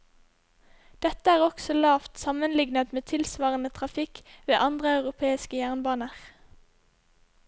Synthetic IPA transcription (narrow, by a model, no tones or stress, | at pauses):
d̪̥ɛt̪əæːʁɔksɔlɑːft̪sɑmənlɪɡnət̪meːt̪ʰɪlsʋɑːʁənət̪ʰʁɑfɪkʋeːʔɑnd̪ʁəɑʉʁʊpʰeːɪskəjæːʁnbɑːnəʁ